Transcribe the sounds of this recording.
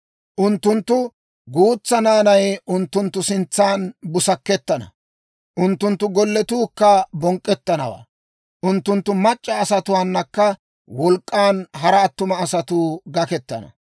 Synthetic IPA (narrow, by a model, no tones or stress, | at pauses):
ʔʊnt̪ːʊnt̪ːʊ | ɡuːt͡sːɐnaːnɐjʊnt̪ːʊnt̪ːʊsɪnt͡sːaːnbʊsɐkːɛt̪ːɐnɐ̰ | ʔʊnt̪ːʊnt̪ːʊɡɔlːɛt̪uːkːɐbɔŋkʼːɛt̪ːɐnɐ̰wa̰ː | ʔʊnt̪ːʊnt̪ːʊmɐt͡ʃʼːɐːsɐt̪ʊwaːnːɐkːɐ | wɔlkʼːaːnɦɐɾɐːt̪ːʊmɐːsɐt̪uːɡɐkɛt̪ːɐ̰nɐ̰